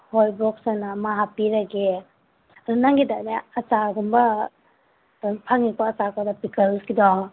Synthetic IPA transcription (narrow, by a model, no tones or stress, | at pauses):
hojbɾɔk̚sanamaɦapiɾaɡe | ɾunaŋɡidaneɐt͡ʃaɡɔmbɐ | pʰaŋikɔːt͡ʃakadapikɐlsɡidɔ